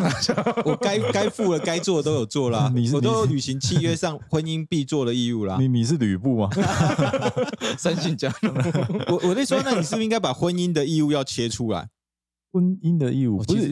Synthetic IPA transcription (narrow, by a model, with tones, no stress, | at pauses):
wɔ˨˩ka˦ɪka˦ɪfu˥˨lə˨ka˥ɪt͡swɔ˥˨t̪o˥ʊjo˨˩ʊt͡swɔ˥˩lə˨ni˨o˥jo˨˦ʊly˨˩ɕi˨˦ŋt͡ɕʰi˥˧ɥɛ˥˦sɑ˥˨ŋxwə˦ni˦npi˥˧t͡swɔ˥˩d̪ə˨i˥˧u˥˩lɐ̰˨ni˨ni˨˩ʂ̬̩˥˨˩ly˨˩pu˥˨mɐ˨ | sa˦nɕi˥˨˩nt͡ɕja˥˩ŋwɔ˨wɔ˨˩t̪e˥˩ɪswɔ˥na˥˩ni˨˩ʂ̬̩˥˩i˥ŋɡa˥ɪpa˨˩xwə˦ni˦nd̪ə˨i˥˧u˥˧jɑ˥˨ʊt͡ɕʰjɛ˧˥ʈ͡ʂʰu˦la̰˨˦ɪ | xwə˦ni˦nd̪ə˨i˥˧ṵ˥˩˨